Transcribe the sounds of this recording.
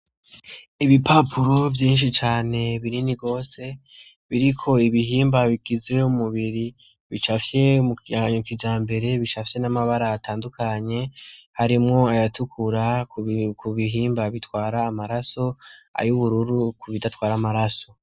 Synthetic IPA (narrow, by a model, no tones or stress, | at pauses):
iβipapʰuɾo̞vjiːnʃ̬it͡ʃaːne̞βiɾiniɡo̞ːse̞ | βiɾikʰo̞iβiɦiːmbaβiɡ̥izeumuβiɾi | βit͡ʃafje̞muaɲukid͡ʒaːmbe̞ɾe̞βit͡ʃafje̞namaβaɾaːtʰaːndukʰaɲe̞haɾimŋo̞ajatʰukʰuɾa | kuβiɦiːmbaβitwaːɾaːmaɾaso̞a̰juβuɾuɾukuβidatwaːɾamaɾaso̞